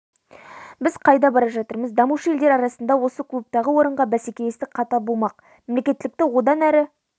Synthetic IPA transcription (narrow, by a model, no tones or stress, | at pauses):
bɪzqʰɑjd̪ɑbɑɾɑʒɑt̪əɾməzd̪ɑmuʃəjeld̪e̞ɾɑɾɑsənd̪ɑwo̞səkʲʰɵp̚t̪ɑʁəwo̞ɾəɴʁɑbæsekʲe̞lest̪ɪk̚qʰɑt̪ɑbomɑq̚ | memlekʲe̞t̪ːɪlɪk̚t̪ɪwo̞d̪ɑnæɾɪ